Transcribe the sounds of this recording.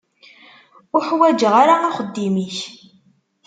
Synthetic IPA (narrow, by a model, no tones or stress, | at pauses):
ʊħwæd͡ʒəʁaɾaæχəd̪ːimiç